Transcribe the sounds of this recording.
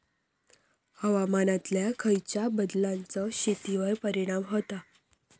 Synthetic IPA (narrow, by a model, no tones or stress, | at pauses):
həʋamanãt̪ljakʰəjt͡ɕjabəd̪lant͡sɔɕit̪iʋəjpəɾiɽ̃amɦot̪a